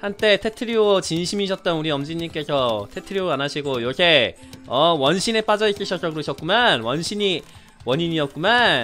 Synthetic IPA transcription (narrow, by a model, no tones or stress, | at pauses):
hant͈e̞tʰe̞tʰɯɾiot͡ɕinɕʰimiːɕ̬͈ʰʌt̚t͈ʌnuɾiʌmd͡ʑiɲimk͈e̞sʰʌtʰe̞tʰɯɾioanaɕʰiɡoiɾʌkʰe̞ | ʌwʌnɕʰinep͈ad͡ʑʌik͈iɕʰʌk͈ʌɡɯɾoɕʰʌt̚k͈̚umanwʌnɕʰiɲi | wʌɲiɲiʌt̚k͈uman